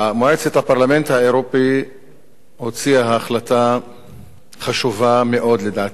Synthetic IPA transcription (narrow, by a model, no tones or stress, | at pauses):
amoʕet͡sethapaʁlame̞nt̪haeʁopi | ho̞t͡siaɦaːχlata | χaʃuvame̞ʔo̞d̪ledaːt